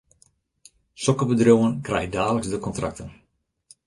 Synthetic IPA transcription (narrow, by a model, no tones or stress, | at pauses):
sɔkəbədrjowənkrɛjxədaːləksdəkɔntra̰k̚tən